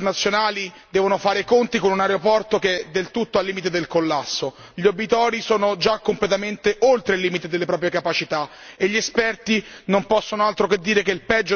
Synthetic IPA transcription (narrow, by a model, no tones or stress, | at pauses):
nat̪sːjonaːli | d̪ɛːvonofaːɾekont̪ikonunaɾeopɔrt̪oked̪elt̪ut̪ːoalːiːmit̪̬ed̪elkolːasːo | ʎiobit̪ɔːɾisoːnod͡ʒakːomplet̪ament̪eʔolt̪ɾelːiːmit̪ed̪elːepɾɔːpɾjekapat͡ʃit̪a | eʎːiespɛrt̪inompɔsːonoalt̪ɾoked̪ːiːɾekeilpɛd͡ʒːo